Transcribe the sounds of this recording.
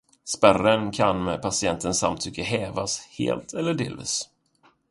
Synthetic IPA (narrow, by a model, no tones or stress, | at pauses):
spærənkʰanmɛpʰasɪɛnt̪ʰənsa̰mt̪ʰʏkːəɦɛːvashḛːlt̪ʰɛlːəɖeːlvḭːs